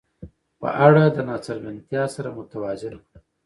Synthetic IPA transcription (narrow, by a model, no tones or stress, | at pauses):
pə̰ʔaɽad̪ənɑsaɾɡant̪jɑsaɾamʊt̪awɑzɪn